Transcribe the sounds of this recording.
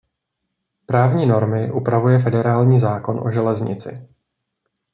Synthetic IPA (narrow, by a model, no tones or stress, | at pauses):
pɾaːvɲiːno̞ɾmɪʔupɾavujɛf̬ɛdɛɾaːlɲiːzaːko̞nʔo̞̰ʒɛlɛzɲɪ̰t͡sɪ̰